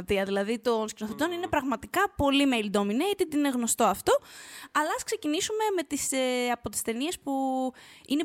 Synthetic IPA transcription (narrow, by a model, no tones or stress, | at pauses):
t̪iɐðilɐðit̪o̞nscinoθet̪o̞nine̞pɾɐɣmɐt̪ikɐpo̞limelid̪o̞mineit̪et̪nine̞ɣno̞st̪o̞ɐft̪o̞ɐlɐɐskse̞cinisume̞me̞t̪iseɐpo̞t̪i̥st̪e̞nie̞spu | ine